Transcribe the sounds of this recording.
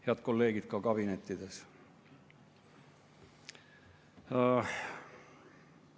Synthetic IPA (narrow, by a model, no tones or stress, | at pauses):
heɑd̪̚ko̞lːe̞ːɡ̥id̪̥̚kɑkɑbine̞t̪ˑːid̪̥e̞s